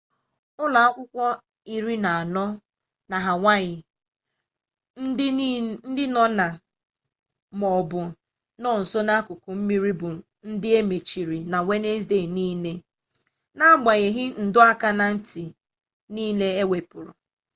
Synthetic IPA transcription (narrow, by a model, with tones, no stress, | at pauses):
ʊ˦la˨a˦kʷʊ˦kʷɔ˦ | i˦ɾi˦na˨a˨nɔ˦ | na˨ɦa˨ŋʷa˦ɣɪ˨˦ | n̩˦dɪ˦nɔ˦na˨ | mɔ˨bʊ˨ | nɔ˦˨n̩˨so˦na˦kʊ˨kʊ˨m̩˦mi˦ɾi˦bʊ˨ | n̩˦dɪ˦e˦me˨t͡ʃi˨ɾi˨na˨we˦ne˦zde˦˨niː˦ne˦ | na˦a˦˨ɡ͡ba˨ɣɪ˨ɦɪ˦n̩˨dʊ˦a˦ka˦na˨n̩˦ti˨ | niː˦le˦e˦we˨pʊ˨ɾʊ˨